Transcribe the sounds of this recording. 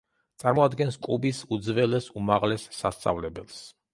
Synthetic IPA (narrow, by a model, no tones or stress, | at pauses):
t̪sʼaɾmɔad̪ɡɛnskʼubisud̪zvɛlɛsumaʁlɛsːast̪sʼa̰vlɛbɛlˠs